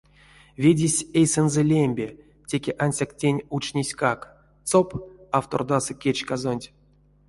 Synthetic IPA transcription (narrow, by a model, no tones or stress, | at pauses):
vʲedʲesʲejsɛnzɛlʲemʲbʲe | tʲe̞kʲeʔanʲsʲaktʲenʲut͡ʃnʲesʲkak | t̪t͡sopaft̪ord̪asɨkʲet͡ʃkazonʲtʲ